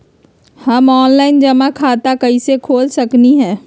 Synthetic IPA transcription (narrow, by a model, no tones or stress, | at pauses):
hɐmɔːnlaːɪnd͡ʒɐmãkʰaːt̪akɐisekʰoːlsɐkniɦɛ̃ː